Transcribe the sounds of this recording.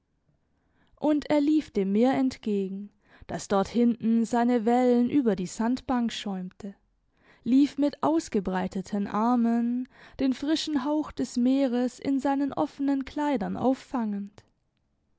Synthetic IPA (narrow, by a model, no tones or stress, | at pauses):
ʔʊnteːɐliːfd̥eːmːeːɐɛntɡ̥eːɡŋ̩ | d̥asd̥ɔɐthɪntn̩zaɪnəvɛlənʔyːbɐdiːzantb̥aŋkʃɔʏmtʰə | liːfmɪtʔaʊsɡ̥əbʁaɪtʰətʰənʔaɐmənd̥eːnfʁ̥ɪʃn̩ɦaʊxd̥ɛsmeːʁəsɪ̰nzaɪnənʔɔ̰fənənkʰl̥aɪdɐnʔa̰ʊfːaŋənt